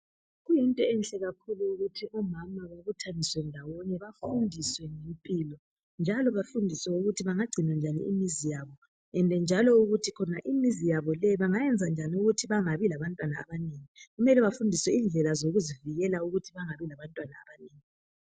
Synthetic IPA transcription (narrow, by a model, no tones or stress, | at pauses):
ɣujintʼɔɛnɬɛɣakʰuluuɣutʰiʔɔmamaβaβutʰaniswɛndʱawɔnɛβafundʱiswɛŋempʼilɔ | nd͡ʒʱalɔβafundʱiswɛuɣutʰiβaŋaɡ͡ǀʱinwand͡ʒʱanḭḭmizijaβɔ | ɛndʱɛnd͡ʒʱalɔuɣutʰikʰɔnaʔimizijaβɔlɛβaŋajɛnd͡zʱand͡ʒʱaniuɣutʰiβaŋaβilaβantʼwana̰ːβaneːŋiɣumɛlɛβafundʱiswɛind͡ɮʱɛlazoɣuziviɣɛlauɣutʰiβaŋaβilaβantʼwana̰ːβaneːŋi